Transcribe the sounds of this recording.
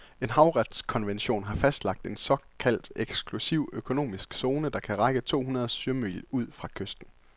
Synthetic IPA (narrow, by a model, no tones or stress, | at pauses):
e̝nɦɑ̈ʊʁɑd̥skʰɒ̽nʋenɕo̝̰ːnɦɑ̈fæsd̥lɑ̈ɡ̥̚d̥e̝nsɒ̽kʰæl̰d̥eɡ̥sɡ̥lusiʊ̰økʰo̝no̝̰ːmisɡ̥so̝ːnəd̥ɑ̈kʰæʁɑɡ̥ət͡sʰo̝̰ːhunɐð̞ˠsyɐmy̰luð̞̰ˠfʁɑ̈kʰøsd̥n̩